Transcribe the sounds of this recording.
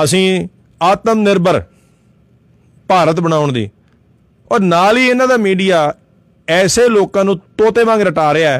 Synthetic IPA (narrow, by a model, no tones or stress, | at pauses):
əsĩː | aːt̪əmnɪɾbəɾ | paːɾət̪bəñaːʊɳd̪ḭː | ɔːɾnaːliːɪnãːd̪aːmiːɖijaː | ɛːseːloːkãːnũːt̪oːt̪eːʋãːŋɡɾəʈaːɾɪaːɛː